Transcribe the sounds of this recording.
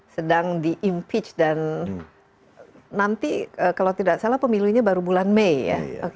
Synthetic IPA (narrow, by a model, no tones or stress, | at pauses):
sədaŋdiʔimpɪt͡ʃdan | ant̪iəkalawt̪idaksalahpəmiluɲabaɾubulanmejːa̰ok